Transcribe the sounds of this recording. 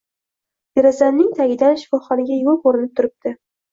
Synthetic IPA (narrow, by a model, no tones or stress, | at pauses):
jeɾazannɪŋt̪ʰaɡʲɪd̪anʃɪ̥fɒχɒnɪɡʲajopoɾɪnɪp̚t̪ʰʊɾɪp̚d̪̥ɪ